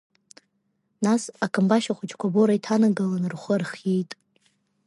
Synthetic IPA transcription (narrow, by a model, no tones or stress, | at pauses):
nasakʰɨmbaʃaχʷʊt͡ʃʼkʷʰaboɾaitʰanaɡalanɨrχʷərχjejtʼ